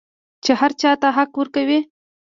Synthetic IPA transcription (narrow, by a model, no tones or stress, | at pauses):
t͡ʃehaɾt͡ʃɑt̪aɦaqwəɾkawi